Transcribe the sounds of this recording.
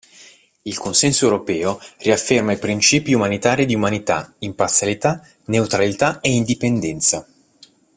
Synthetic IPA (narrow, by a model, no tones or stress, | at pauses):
ilkonsɛnsoewɾopɛːoriafːermaipɾint͡ʃiːpiumanit̪aːɾid̪iumanit̪a̰impart̪sjalit̪a | neut̪ɾalit̪aeind̪ipend̪ɛnt̪sa